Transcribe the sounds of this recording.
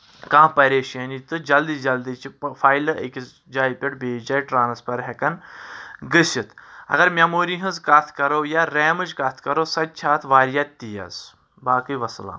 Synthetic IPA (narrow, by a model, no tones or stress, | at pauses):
kãːpɐɾeːʃɐnit̪ɨd͡ʒɐld̪iːsd͡ʒɐld̪it͡ʃifʰaːjlɨʔəkʲis | d͡ʒaːjpʲiʈbeːd͡ʒɐːjʈɾaːnɐspɐɾɦʲɛkɐn | ɡɨsit̪ʰɐ̰ɡɐɾmʲamoːɾiɦɨ̃zkɐt̪ʰkɐɾoːjaːɾeːmɨd͡ʒkɐt̪ʰkɐɾoːsɐd̪̚t͡ʃʰaːt̪ʰʋaːɾijat̪ʲt̪ːijɐ̰z | baːkɨjʋɐsla̰ːm